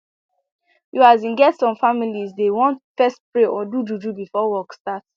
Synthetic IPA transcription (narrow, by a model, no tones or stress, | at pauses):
juazĩnɡɛtsɔ̃mfamilizdewɔ̃ntfɛst̚pɹeʔɔdud͡ʒud͡ʒubifɔwɔkstat